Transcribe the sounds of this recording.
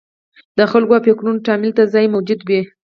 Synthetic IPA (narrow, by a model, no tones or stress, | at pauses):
d̪̥əxalɡoapeknunʈɑmɪlt̪azɑjmawd͡ʒud̪wi